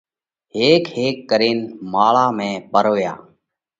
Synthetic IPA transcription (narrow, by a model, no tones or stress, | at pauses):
ɦeːkheːkːəɾiːnmaːɭaːmẽːpəɾoːja̰ː